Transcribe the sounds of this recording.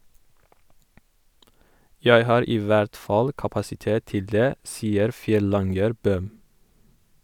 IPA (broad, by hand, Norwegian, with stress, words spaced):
ˈjæɪ ˈhɑːɾ ˈiː ˈʋæɾt ˈfɑl kɑpɑsɪˈteːt ˈtɪl ˈdeː ˈsiːəɾ ˈfjɛˌlɑŋɡəɾ ˈbøːm